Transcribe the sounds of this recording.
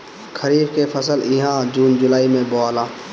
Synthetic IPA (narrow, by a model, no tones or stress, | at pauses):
kʰəɾiːbkefʰəsəlɪɦãːd͡ʒuːnd͡ʒʊlaːimẽbɔːlãː